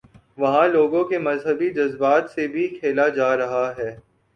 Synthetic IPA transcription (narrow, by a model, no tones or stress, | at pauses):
ʋɐɦãloːɡõkemɐzɦəbid͡ʒɐzbaːt̪sebʱikʰeːlad͡ʒaːɾɐɦaɦɛː